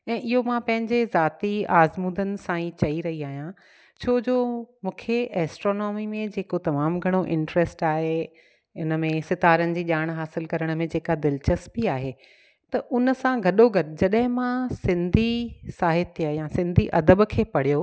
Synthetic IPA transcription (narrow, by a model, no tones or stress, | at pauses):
ɛ̃ːʔɪɦomãpɐ̃ɦɪ̃ɲd͡ʑezaːt̪iaːzmuːd̪ənɪ̆sãːĩt͡ɕɐiɾɐɦiaːɦijã | t͡ɕʰoːd͡ʑoːmũːkʰeʔɛːsʈɾoːnɔːmimẽd͡ʑeːkot̪ɐmaːmɡʱɐɽ̃oʔɪ̃ɳʈɾɛsʈaːɦe | ɪnəmẽsɪt̪aːɾənɪ̆d͡ʑiːʄaːɽ̃ɦaːsɪlkɐɾəɽ̃ə̆mẽd͡ʑeːkad̪ɪlt͡ɕɐsbɪaːɦeː | t̪ɐʔʊnəsãɡʱɐɗoɡʱɐd͡ʑɐɗəɦɪ̃mãsɪ̃nd̪ʱisaːɦɪt̪jəjãsɪ̃nd̪ʱiʔɐd̪əbkʰeːpɐɽ̤ijo